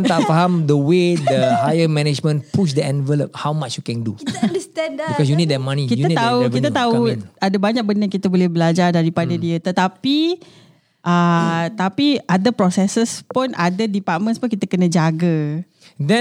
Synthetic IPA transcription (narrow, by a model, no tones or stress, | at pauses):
nt̪aʔfaɦãmdəwedəhajəmɛnɛd͡ʒmə̃npuʃ̬dəɛ̃nvɛlop̚hawmat͡ʃjukɛ̃nduiɛbikɔsjunidɛmãnikitjuəit̪auvit̪ət̪auadabaɲak̚bənəkit̪əbolɛhbəlad͡ʒardaɾipadadiət̪ət̪api | ʔət̪apiadapɾɔsɛsəspunʔadədipat̚mə̃nspʊnkit̪əkənə̃d͡ʒaɡə | dɛ̃